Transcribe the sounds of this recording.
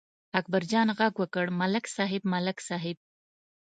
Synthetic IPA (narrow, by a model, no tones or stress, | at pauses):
ak̚baɾd͡ʒɑnɣaɡwəkəɽmalɪksɑɦɪbmalɪksɑɦɪb̚